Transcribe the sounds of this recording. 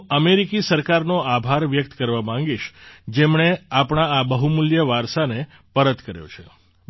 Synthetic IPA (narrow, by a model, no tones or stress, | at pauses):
əmeɾikisəɾkaɾnoabʱaɾʋjək̚t̪kəɾʋamãŋ̆ɡiʃd͡ʒemɳ̃eapɳ̃aabəɦumuljəʋaɾʃane | pəɾət̪kəɾjo̰t͡ʃʰḛ